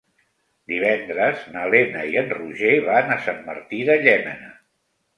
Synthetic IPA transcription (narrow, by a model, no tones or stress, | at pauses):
d̪iβ̞ɛnd̪ɾəznəlenəiənruʒeβanəsamːə̰ɾt̪iðəʎɛmənə